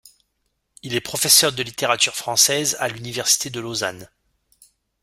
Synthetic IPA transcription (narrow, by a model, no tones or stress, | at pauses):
ilɛpχɔfɛsœʁd̪əlit̪eʁat̪yʁfχɑ̃sɛza̰lynivɛʁsi̥t̪ed̪əloza̰n